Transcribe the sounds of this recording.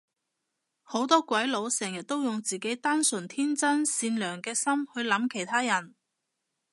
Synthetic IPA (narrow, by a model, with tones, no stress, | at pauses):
ho˨˥wt̪ɔː˥kʷɐ˨˥jlo˨˧wsɛː˨˩ŋjɐ˨t̚t̪ːo˥wjʊ˨ŋt͡siː˨˩ke˨˥jt̪aː˥nsɵ˨˩nt̪ʰiː˥nt͡sɐ˥nsiː˧nlœː˨˩ŋkɛː˧sɐ˥mhɵ˧ɥlɐ˨˥mkʰe˨˩jt̪ʰaː˥jɐ˨˩n